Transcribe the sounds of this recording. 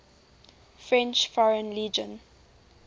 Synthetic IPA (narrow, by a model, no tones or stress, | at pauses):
fɹɛ̃nt͡ʃfɔɹə̃nliːd͡ʒə̃n